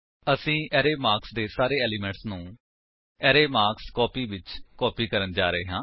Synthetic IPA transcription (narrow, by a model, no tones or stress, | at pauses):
əsĩːʔɛːɾeːmaːɾksd̪eːsaːɾeːɛːlimɛ̃ːɳʈsnũː | ɛːɾeːmaːkskɔːpiːʋɪt͡ʃkɔːpiːkəɾənd͡ʒaːɾəeːɦãː